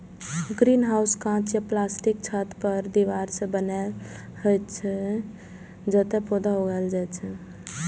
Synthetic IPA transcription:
ɡɾinɦawskãt͡ʃjaplasʈik̚t͡ʃʰət̪pəɾd̪iʋaɾsə̃bənɛl | ɦəjt͡ʃʰɛ | d͡ʒət̪ɛpod̪aɦoɡɛld͡ʒajt͡ʃʰɛ

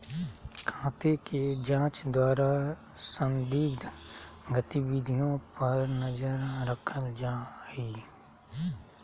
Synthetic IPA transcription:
kʰãːt̪eked͡ʒãːt͡ʃd̪waːɾa | sə̃nd̪iːkd̪ɡət̪ibid̪ʱijõpɐɾnəɐd͡ʒəɾɾəkʰəld͡ʒaːiː

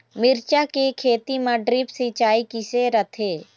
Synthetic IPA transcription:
mɪɾt͡ʃakekʰeːt̪imɐɖɾipsit͡ʃaːikiseɾɐt̪ʰeː

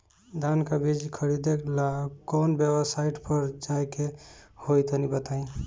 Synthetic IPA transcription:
d̪ʱankabʱid͡ʒikʰəɾid̪eklakɔnbebsaɪʈpəɾd͡ʒajkehojt̪ənibət̪aĩ

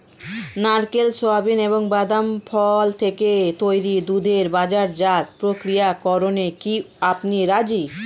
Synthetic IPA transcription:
naɾkelsoabineboŋbad̪amfʰɔlt̪ʰeket̪ojɾid̪ud̪ʱeɾbad͡ʑaɾd͡ʑat̪̚pɾokɾijakɔɾonekiapniɾad͡ʑi

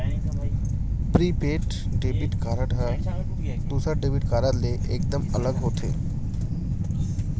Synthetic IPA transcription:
pɾiːpeːʈ | ɖeːbiʈkaːɾəʈə | d̪usəɖeːbiʈkaːɾəɾleʔeːk̚d̪əmələɡɦoːt̪ʰḛː

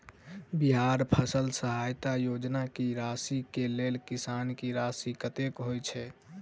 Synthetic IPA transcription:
biɦaɾpʰəsəlsəɦajt̪ajod͡ʒnakiɾasikelelkisankiɾasikət̪ekɦojt͡ʃʰɛ

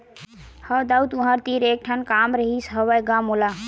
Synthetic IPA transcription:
həd̪aut̪ũɦaɾt̪iːɾeːk̚ʈʰənkaːmɾəɦisɦəʋajɡamola

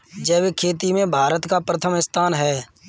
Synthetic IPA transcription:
d͡ʒɛːbekʰeːt̪̬imẽbʱaːɾət̪kapɾət̪ʰəmɪst̪ʰaːnɦɛː

